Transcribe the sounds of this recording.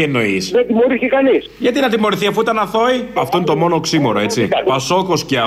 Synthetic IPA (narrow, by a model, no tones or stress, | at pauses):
eno̞iset̪imoɾiθçikɐnisʝɐt̪inɐt̪imo̞ɾiθiɐfuit̪ɐnɐθo̞iɐft̪o̞ine̞t̪o̞mo̞no̞ksimo̞ɾo̞e̞t͡sipɐso̞ko̞scɐ